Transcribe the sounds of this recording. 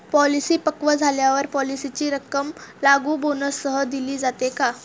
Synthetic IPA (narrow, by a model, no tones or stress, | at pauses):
pɔlisiːpəkʋəd͡zʱaljaʋəɾpɔlisit͡ɕiːɾəkəmlaɡuːbonəsəɦəd̪iliːd͡zat̪eka